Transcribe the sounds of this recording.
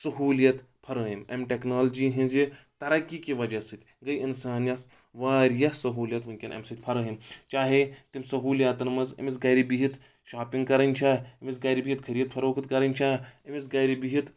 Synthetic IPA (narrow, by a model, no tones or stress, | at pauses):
sɐɦuːljɐt̪ | pʰɐɾəːɦimɐ̰mʈeknaːld͡ʒiɦĩnzi | t̪ɐɾɐkːikiʋɐd͡ʒɐsɨt̪ʲɡɐjinsaːnjɐs | ʋaːɾjɐsɐɦuːljɐt̪mɨŋkʲinʔɐ̰msɨt̪ʲpʰɐɾɐːɦimt͡ʃaːɦet̪imsɐɦuːljaːt̪ɐnmɐzɐ̰misɡɐjɾibiɦit̪ | ʃaːpiŋɡ̚kɐɾɐnʲt͡ʃʰaːɐmis̬ɡɐːɾibiɦit̪̚kʰɐɾijɐt̪̚pʰɐɾoːkʰɨt̪kɐɾɐnʲt͡ʃʰaɐmisɡɐːjɾibiɦit̪